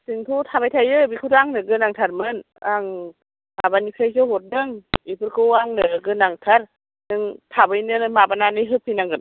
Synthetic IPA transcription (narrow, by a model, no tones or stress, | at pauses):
siŋt̪ʰut̪ʰabajt̪ʰajɯbikʰutaŋnɯɡɯnaŋt̪ʰaɾmɯn | ʔaŋ | ʔabanipʰejsohot̚dɯŋipʰɯɾkʰuaŋnɯɡɯnaŋt̪ʰaɾ | nɯŋt̪ʰabɯjnɯnmabananɯjɦɯp̚ʰːinaŋɡɯn